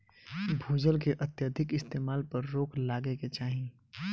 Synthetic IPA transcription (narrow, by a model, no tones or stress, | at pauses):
bʱuːd͡ʒəlkeʔɐt̪jəd̪ʱɪkɪst̪eːmaːlpɐɾːoːkʰlaːɡeket͡ʃaːɦĩ